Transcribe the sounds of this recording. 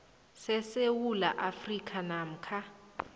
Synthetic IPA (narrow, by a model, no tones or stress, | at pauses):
sɛsewulaʔafrikʰʼanam̩kʰa